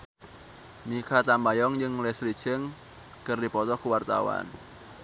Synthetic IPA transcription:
mikat̪ambajɔŋd͡ʒɨŋlɛsɾi̥t͡ʃəŋ | kɨrdipɔt̪ɔkuwart̪a̰wa̰n

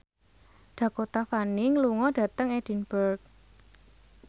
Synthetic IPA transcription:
ɖ̥ä̤kot̪afaniŋluŋɔɖ̥ä̤t̪əŋed̥i̤nb̥ərk̚

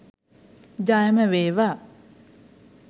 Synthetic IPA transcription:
d͡ʒajməʋeːʋa

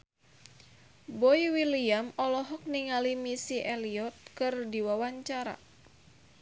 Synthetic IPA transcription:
bɔiwiliamɔlɔɦɔk̚niŋalimisiʔɛliɔt̪̚kɨrdiwawaɲt͡ʃaɾa̰

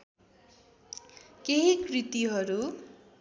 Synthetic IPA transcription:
keɦikrit̪iɦʌɾu

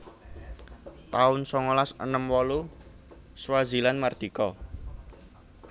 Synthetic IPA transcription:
t̪aʊnsɔŋɔlasə̰nəmwɔlu | swazilanmard̪̥i̤kɔ

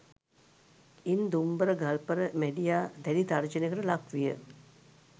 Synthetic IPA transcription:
ind̪umbəɾəɡalpəɾəmeɖijaːd̪ælid̪ard͡ʒənekəɾəlakʋijə̰

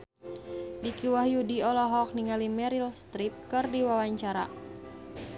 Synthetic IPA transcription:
dikiwahjudiɔlɔɦɔk̚niŋalimɛɾilst̪ɾip̚kɨrdiwawaɲt͡ʃaɾa

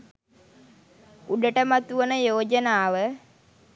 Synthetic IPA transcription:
uɖəʈəmat̪uənəjoːd͡ʒənaːʋə

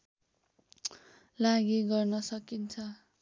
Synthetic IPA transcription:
laɡiɡʌrnʌsʌkint͡sʰʌ

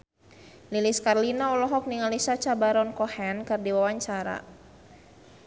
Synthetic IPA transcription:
liliskarlinaɔlɔɦɔk̚niŋalisat͡ʃabaɾɔnkɔhɛnkɨrdiwawaɲt͡ʃaɾa̰

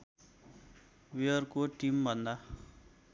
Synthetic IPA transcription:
wiʌrkoʈimbʱʌnd̪a

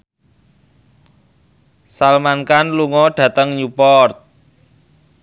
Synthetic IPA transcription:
salmankanluŋɔɖ̥ä̤t̪əŋjupɔrt̪̚

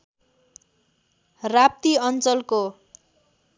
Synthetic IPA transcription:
rap̚t̪iʌnt͡sʌlko

